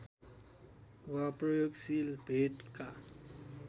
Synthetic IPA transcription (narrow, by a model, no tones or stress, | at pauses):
wapɾɔjoɡsilbʱeʈka